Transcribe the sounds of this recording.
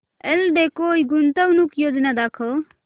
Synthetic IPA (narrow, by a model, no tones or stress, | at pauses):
elɖekoːjɡunt̪əwnukjod͡ʒnad̪akʰɔ